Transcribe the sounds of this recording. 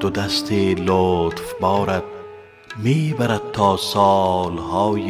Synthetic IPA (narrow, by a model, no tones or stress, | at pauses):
d̪̥od̪ast̪ʰeːlot̪fbɒːɾæd̪̚ | miːbæɾæd̪̚t̪ʰːɒːsɑlhɒːj